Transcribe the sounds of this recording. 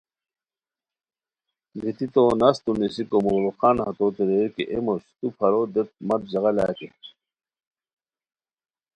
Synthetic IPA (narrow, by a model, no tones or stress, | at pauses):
ɡit̪it̪oːnɐst̪unisikomoɣloqanhɐt̪oːt̪iɾeɾkeʔemoɕt̪upʰɐɾod̪et̪̚mɐt̪̚d͡ʑɐɣɐlaːt̪e